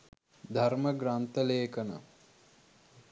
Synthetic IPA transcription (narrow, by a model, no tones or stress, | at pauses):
d̪ʱaɾməɡɾant̪əleːkənə̰